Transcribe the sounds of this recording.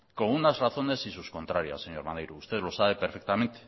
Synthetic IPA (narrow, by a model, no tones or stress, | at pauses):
koɣunazraθo̞ne̞sisusko̞nt̪ɾaɾja̰sːeɲoɾmanejɾuːst̪eðlo̞saβe̞peɾfek̚t̪amẽ̞nt̪e̥